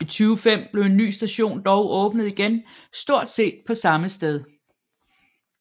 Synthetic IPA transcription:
it͡sʰyːʊfem̰b̥le̝ʊe̝nːy̰ːsd̥æɕo̝̰ːnd̥ɒʊʔɔ̽ːb̥nəð̩ˠiɡ̥en | sd̥o̝ɐ̰d̥se̝̰ːd̥̚pʰɒ̽sɑ̈məsd̥eð̞ˠ

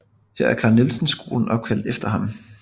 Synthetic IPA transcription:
heɐæɐkʰɑ̈nilsn̩sɡ̥o̝̰ːln̩ʔɒ̽b̥̚kʰæl̰d̥efd̥ɐhɑ̈m

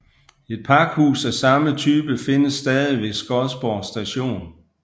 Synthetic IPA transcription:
e̝d̥̚pʰɑ̈ɡ̥hṵːsæsɑ̈mət͡sʰyːb̥əfe̝nəsːd̥ɛːðˠiʋeɡ̥sɡ̥ɒlsb̥ɒːsd̥æɕo̝̰ːn

